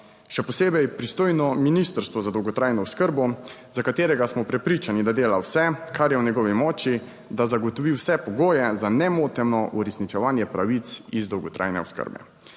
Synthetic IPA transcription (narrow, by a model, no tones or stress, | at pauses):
ʃɛpɔseːbɛjpɾist̪oːjnɔminist̪əɾst̪ʋɔzad̪ɔwɡɔt̪ɾaːjnɔɔskəɾbɔzakat̪eːɾɛɡasmɔpɾɛpɾiːt͡ʃanid̪ad̪eːlawsɛkʰaɾjɛwnjɛɡɔːʋimɔːt͡ʃi | d̪azaɡɔt̪ɔʋiwsɛpɔɡoːjɛzanɛmoːt̪ɛmnɔʔuɾɛsnit͡ʃɛʋaːnjɛpɾaʋit̪sizd̪ɔwɡɔt̪ɾʔa̰ːjnɛ̰ɔ̰skə̰ɾbɛ̰